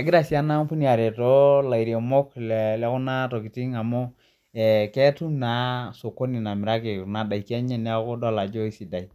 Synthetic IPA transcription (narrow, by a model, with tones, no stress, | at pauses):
a˨ɡɪ˦ɾa˨si˦a˦na˦pu˦ni˦a˨ɾe˨tɔ˦la˨i˨ɾe˨mo˦kllɛ˦ku˦na˦to˨ki˨ti˦ŋa˨mo˦ | ɛ˨kɛ˦tu˦na˨˦so˨ko˦ni˨na˨mɪ˨ɾa˦ki˨na˨da˨i˨ki˦a˦ɲɛ˦˨nɛ˦ko˦dɔ˦˨la˨d͡ʒo˦i˦si˨da˨i˨